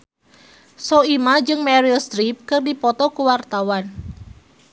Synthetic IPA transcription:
sɔimad͡ʒɨŋmɛɾilst̪ɾip̚kɨrdipɔt̪ɔkuwart̪awan

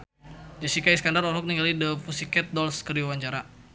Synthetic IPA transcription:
d͡ʒasikaiskandarɔɦɔk̚niŋɡalidəfusikɛt̪̚dɔlskəriawaɲt͡ʃaɾa

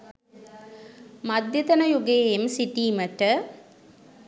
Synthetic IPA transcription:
mɐd̪jɐt̪ɐnɐjuɡeːemsiʈiːməʈə

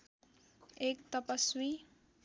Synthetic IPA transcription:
ek̚t̪ʌpəswi

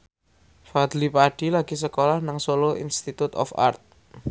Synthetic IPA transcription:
fad̪lipaɖ̥ilaɡ̥i̤s̬əkolahnaŋsoloḭnst̪it̪ut̪ɔ̰fa̰rt̪̚

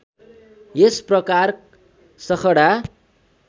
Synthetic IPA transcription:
jesprʌkar | sʌkʰʌɽa

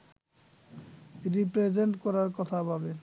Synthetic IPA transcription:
iɾipɾed͡ʑeɳʈkɔɾaɾkɔt̪ʰababe

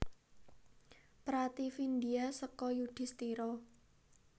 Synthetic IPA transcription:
pɾat̪ifind̪iasəkɔjuɖ̥i̤st̪iɾɔ

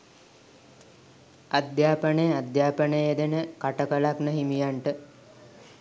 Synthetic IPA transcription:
ad̪jaːpənejad̪jaːpənəjed̪enəkaʈəkəlaknəɦimijaɳʈə

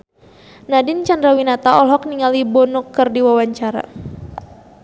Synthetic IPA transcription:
nadɪnt͡ʃandɾawinat̪aɔlɦɔkniŋalibɔnukːərdiwawaɲt͡ʃaɾa̰

